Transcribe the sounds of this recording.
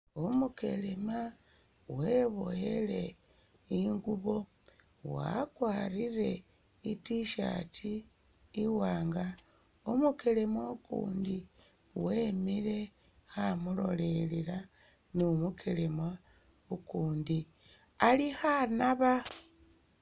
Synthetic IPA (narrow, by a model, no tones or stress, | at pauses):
omuke̞̰lema | we̞βo̰jele̞ | iŋɡuβo̞ | wa̰kwaːɾiɾe̞ | itiʃa̰tʰiː | waːŋɡa | omuke̞lemaukṵːndi | wemiɾe̞ | xamulo̞̰le̞liɾa | numukʰe̞lemwa | ukuːndi | alihanaβa